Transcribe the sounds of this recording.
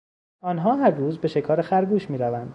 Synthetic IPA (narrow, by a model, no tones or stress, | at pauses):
ɒːnɦɒːɦæɾruːzbe̞ʃe̞kʰɒːɾexæɾɡuːʃmiːɾævænd̪̥